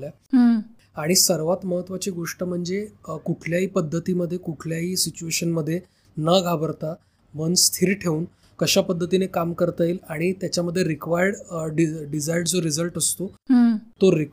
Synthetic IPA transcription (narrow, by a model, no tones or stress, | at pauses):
lja | ɦ | aɽ̃isəɾʋat̪məɦət̪ʋat͡ɕiːɡoʂʈəm̤əɳd͡zekukʰljaɦiːpəd̪ʱːət̪iːməd̪ʱːjekukʰljaɦiːsit͡ɕueɕənməd̪ʱːje | nəɡʱabəɾt̪a | mənst̪ʰiɾʈʰeuːn | kəɕapəd̪ʱːət̪inekamkəɾt̪əelaɽ̃it̪jat͡ɕjaməd̪ʱːjeɾikʋajəɽɖiɖid͡zajɽd͡zoɾid͡zəlʈəst̪ot̪oɾi